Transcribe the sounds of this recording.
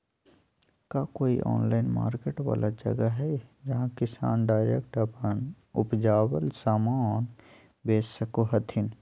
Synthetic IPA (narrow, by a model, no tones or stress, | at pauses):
kaːkoːḭʔɔ̰ːnlaːɪnma̰ːɾkeːʈʋa̰ːlʔad͡ʒɐ̰ɡaɦɛd͡ʒɐɦãkɪsa̰ːnɖaːɪɾek̚ʈɐpən | ʊpd͡ʒaːwəlsaːmaːn | beːsəkoɦɐt̪ʰɪn